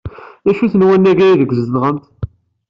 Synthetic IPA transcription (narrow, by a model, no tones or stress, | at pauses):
ðæʃuθənwænːæɡæjiðəɡzəðʁəmt̪